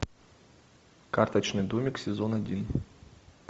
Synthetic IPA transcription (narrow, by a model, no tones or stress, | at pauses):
kart̪ɐt͡ɕnɨjd̪umʲɪksʲɪzonadʲin